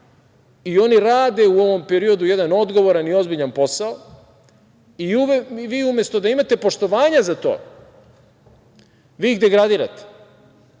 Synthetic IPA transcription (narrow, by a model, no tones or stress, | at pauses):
io̞niɾaːd̪e̞uo̞ʋo̞mpe̞ɾio̞d̪uje̞d̪ano̞d̪ɡo̞ʋo̞ɾanio̞zbiʎanpo̞sao | iuʋiːumjest̪o̞d̪aimat̪e̞po̞ʃt̪o̞ʋaːɲazat̪o̞̰ː | ʋiːɡd̪e̞ɡɾad̪iːɾa̰t̪e̥